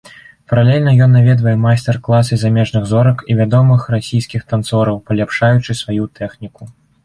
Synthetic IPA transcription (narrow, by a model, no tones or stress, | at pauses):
pɐɾalʲelʲnɐjɔnːavʲɛd̪vɐjɛmajsʲt̪ɛrklˠasɨzamʲɛʐnɨɣzɔɾɐkivʲad̪ɔmɨxrasʲijskʲixt̪ant̪sɔɾɐwpɐlʲapʂajut͡ʂɨsvajut̪ʰɛxnʲiku